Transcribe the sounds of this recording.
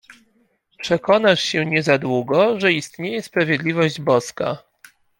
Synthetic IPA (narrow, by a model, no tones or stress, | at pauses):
pʂɛkɔnaʂɕɛɲɛzad̪wuɡɔʐɛist̪ɲejɛspɾavʲjɛd̪lʲivɔʑd͡ʑbɔska